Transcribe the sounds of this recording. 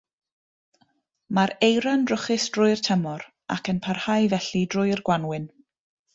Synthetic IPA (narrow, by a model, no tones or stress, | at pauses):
maɾejɾandrʊχɪsd̥rʊɨr̥tʰəmɔɾ | a̰kʰənpʰarhajvɛɬidrʊjrɡwanwɪn